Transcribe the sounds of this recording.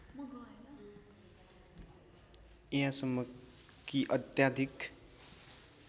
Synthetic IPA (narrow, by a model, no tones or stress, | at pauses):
m | iɦãsʌmːʌkiʔʌt̪jad̪ʱik